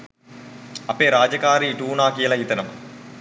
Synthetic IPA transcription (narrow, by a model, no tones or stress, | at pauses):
ɐpeːɾaːd͡ʑɐkaːɾiʈuːnaːkijɐlɐit̪ɐnɐm